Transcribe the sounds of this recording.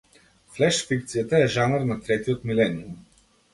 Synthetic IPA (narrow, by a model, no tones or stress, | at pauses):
flɛʃfik̚t̪sijat̪aɛʒanaɾnat̪ɾɛt̪iɔt̪milɛnium